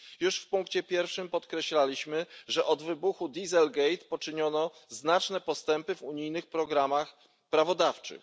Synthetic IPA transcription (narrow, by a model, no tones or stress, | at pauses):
juʂfpuŋkt͡ɕɛpʲjɛɾfʂɘmpɔt̪kɾɛɕlalʲiɕmɘʐɛʔɔd̪vɘbuxud̪ʲizɛlɡɛjt̪pɔt͡ʂɘɲɔnɔznat͡ʂnɛpɔst̪ɛmpɘvuɲijnɘxpɾɔɡɾamax | pɾavɔd̪aft͡ʂɘ̰x